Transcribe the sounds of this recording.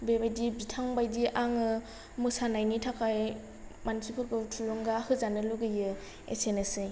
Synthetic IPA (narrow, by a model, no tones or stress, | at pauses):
bebajdibitʰaŋbajdiʔaŋɯ | mɯsanajnitʰakaj | mansikʰɯɾɡɯwtʰulɔŋɡahɯzanɯluɡɯjɯ | ḛsenesɯj